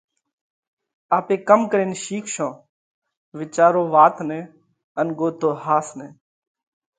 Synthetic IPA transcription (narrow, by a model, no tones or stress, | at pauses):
aːpeːkəmkəɾeːnʃiːkʰʃõː | ʋɪt͡ʃaːɾoːʋaːt̪neː | ənɡoːt̪oːhaːsneː